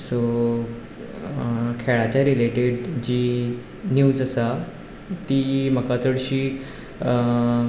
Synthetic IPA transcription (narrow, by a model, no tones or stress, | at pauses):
so | kʰeɭat͡ɕjaɾileʈeɽd͡ʑiː | njuːd͡zəsa | t̪iːm̤əkat͡səɽɕiː